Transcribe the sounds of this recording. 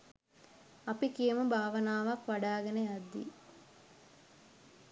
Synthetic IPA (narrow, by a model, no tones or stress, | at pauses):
ɐpikijəmubʱaːʋɐnaːʋakʋaɖaːɡenead̪ːḭ